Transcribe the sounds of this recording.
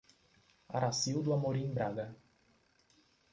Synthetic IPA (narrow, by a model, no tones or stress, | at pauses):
a̰ɾasiwd̪ʊamoɾiẽj̃bɾaɡɐ